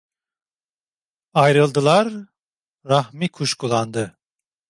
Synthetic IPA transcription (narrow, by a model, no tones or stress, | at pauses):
ajɾɯlˠd̪ɯlˠaɾ | ɾaxmikʰuʃkulˠand̪ɯ